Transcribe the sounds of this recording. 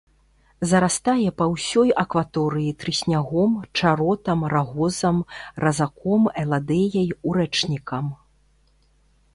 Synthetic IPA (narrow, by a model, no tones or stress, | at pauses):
zɐɾast̪ajɛpɐwsʲɔjɐkvat̪ɔɾɨjit̪ɾɨsʲnʲaɣɔmt͡ʂaɾɔt̪ɐmɾaɣɔzɐmrɐzakʰɔmɛlˠad̪ɛjɐjuɾɛt͡ʂnʲikɐm